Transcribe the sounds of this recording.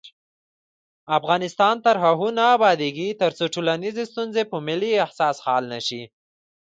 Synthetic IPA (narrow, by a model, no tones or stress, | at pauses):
afɣɑnɪst̪ɑnt̪aɾɦaɦunaːbɑd̪eɡit̪əɾt͡soʈolanizest̪unzepəmɪliahsɑshɑlnaʃi